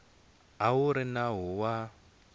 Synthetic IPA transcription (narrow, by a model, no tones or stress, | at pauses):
aɦuɾinaɦuwa